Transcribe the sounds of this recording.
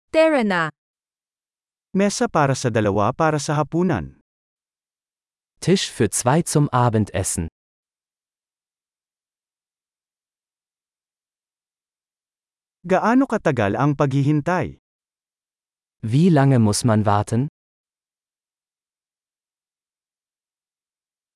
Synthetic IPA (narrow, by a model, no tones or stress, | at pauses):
t̪ɛɹɛna | mɛːsɐpaːɾɐsɐd̪ɐlɐwa̰paːɾɐsɐɦɐpuːnɐ̰n | tʰɪʃfyːɐt͡sv̥aɪt͡sʊmʔaːbəntʔɛ̰sn̩ | ɡɐʔaːno̞kɐt̪ɐɡa̰lɐŋpɐɡhɪɦɪnt̪aj | viːlaŋəmʊsmanvaɐtʰən